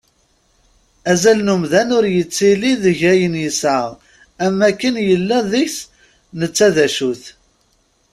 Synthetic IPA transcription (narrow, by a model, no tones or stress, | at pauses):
æzælnumðænʊɾjət͡sːiliðəʝæjənjəsəʁ | æmækːənjəlːæðiçs | nət͡sːæðæʃuθ